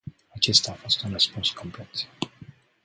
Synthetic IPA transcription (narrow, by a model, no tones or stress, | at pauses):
at͡ʃe̞st̪aːfo̞st̪unrəspunskʰomplet̪